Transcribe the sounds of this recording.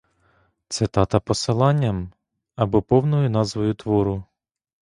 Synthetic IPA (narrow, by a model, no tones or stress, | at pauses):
t̪sɪt̪ɑt̪ɐpɔsɪlˠɑnʲːɐm | ɐbɔpɔwnɔjʊnɑzʋɔjʊt̪ʋɔɾʊ